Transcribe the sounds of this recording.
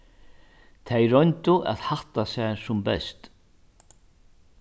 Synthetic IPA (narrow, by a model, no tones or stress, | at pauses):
t̪ʰejɾɔjnt̪ʊʔa̰ðhaht̪asɛsʊmbɛ̰st̪